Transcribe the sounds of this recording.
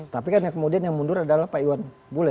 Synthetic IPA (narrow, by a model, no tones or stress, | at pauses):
t̪apikanjakəmodianjaŋmundʊɾadalahpaiwan | bolɛ